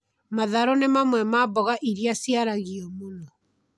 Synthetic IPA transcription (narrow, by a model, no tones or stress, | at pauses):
maðaɾɔnemamwɛmabɔɣaʔiɾiasiaɾaɣiɔmonɔ